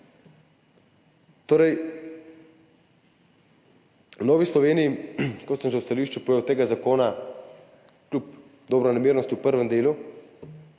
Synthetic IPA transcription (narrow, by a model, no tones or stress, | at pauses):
t̪oːɾɛj | nɔːʋislɔʋeːnijikɔt̪səmʒɛwst̪aliːʃt͡ʃupɔjeːwt̪eːɡazakoːna | klʲup | d̪ɔbɾɔnamiːɾnɔst̪ʲupəɾʋɛmd̪eːlu